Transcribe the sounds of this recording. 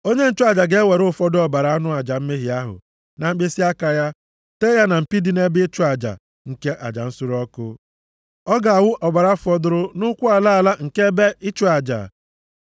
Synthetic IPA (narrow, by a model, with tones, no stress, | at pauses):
o˦ɲe˦n̩˦t͡ʃʊ˦a˨d͡ʒa˨ɡe˦we˨ɾʊ˦fɔ˦dʊ˦ɔ˨ba˨ɾa˨a˦nʊ˦a˨d͡ʒa˨m̩˦me˦ɦi˨a˦ɦʊ̰˨ | na˨m̩˦ɡ͡be˦si˦a˦ka˨ja˦ | te˦ja˦na˨m̩˨pi˦di˦ne˦bɪ˦t͡ʃʊ˦a˨d͡ʒa̰˨ | ŋ̩˨ke˦ʔa̰˨d͡ʒa̰˨n̩˦sʊ˦ɾɔ˦kʊ˦ | ɔ˦ɡa˨a˨wʊ˦ʔɔ˨ba˨ɾa˦fɔ˦dʊ˦ɾʊ˦nʊ˦kʷʊ˦a˨la˦a˨la˦ŋ̩˨ke˦be˦ɪ˦t͡ʃʊ˦a˨d͡ʒa̰˨